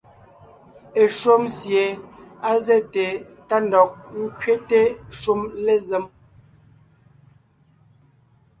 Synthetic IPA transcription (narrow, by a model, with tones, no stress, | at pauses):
e˨ʃo˦msje˨a˦ze˦˨te˨ | ta˦ndɔ˨k̚ŋ̩˦kɥe˦te˦ʃu˦mle˦ze˦m